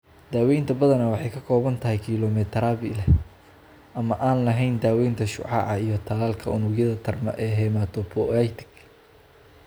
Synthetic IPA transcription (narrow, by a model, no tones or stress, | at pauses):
d̪̥aːwɛjnt̪ʰɐbɐðɐnɐwɑħɑjkʰɐkʰɔːβɐnt̪ʰɐɦɛjkʰiːlɔmɛt̪ʰɾaːβɪlɛ | ʔɐmɐʔaːnlɐɦɛjnd̪aːwɛjnt̪ʰɐʃʊ̰ʕɑ̰ʕɑijɞt̪ʰɐlaːlkʰɐʊnʊɡjɐðɐt̪ʰɐrmɐ̰ʔɛːɦɛːmaːt̪ʰɔpʰɔɛjt̪ʰɪ̥ɡ